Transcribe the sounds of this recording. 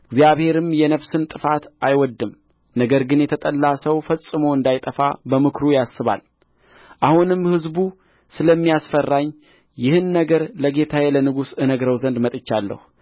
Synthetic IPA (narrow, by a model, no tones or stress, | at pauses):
ʔɨɡzijaβhe̞ɾɨmjɛnəβsɨnt̪ʼɨfat̪ʔajwɔd̪ːɨm | nəɡəɾɡɨnjɛt̪ʰət̪ʼəlːasəwfəsʼːɨmowɨnd̪ajt̪ʼəfabəmɨkɾujasːɨβa̰l | ʔahunɨmhɨzbu | sɨləmːijasfərːaɲ | jɪhɨnːəɡəɾləɡe̞t̪ʰajɛlənɨɡusɨnəɡɾəwzənd̪mət̪ʼɨt͡ʃːalːə̰hu